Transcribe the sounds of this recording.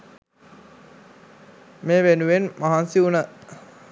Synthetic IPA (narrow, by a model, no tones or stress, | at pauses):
meːʋenuʋenmaɦansiunə